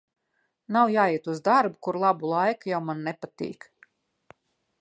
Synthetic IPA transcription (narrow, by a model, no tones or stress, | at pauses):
nawjaːjiɛt̪uzd̪aɾbukuɾlˠabulˠajkajawmanːɛpat̪ḭːk